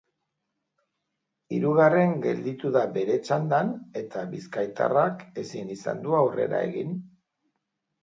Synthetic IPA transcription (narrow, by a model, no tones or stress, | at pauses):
iɾuɣ̞are̞ŋɡe̞ld̪it̪uðabe̞ɾe̞t͡ʃand̪ane̞t̪aβiskajt̪a̰rake̞sinisa̰nd̪uawre̞̰ɾa̰e̞ɣin